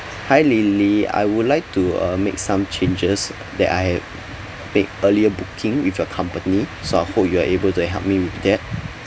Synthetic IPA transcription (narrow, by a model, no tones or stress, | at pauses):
hajlilia̰jwudlaɪk̚tuʌ̰mḛk̚sãmt͡ʃʰẽnd͡ʒəs | dɛ̰ta̰jhɛv | met̚əliəbukʰĩŋwifjɔkʰãmpənisoajhop̚juaʔebəltuɦɛ̰lp̚miwifdɛt̚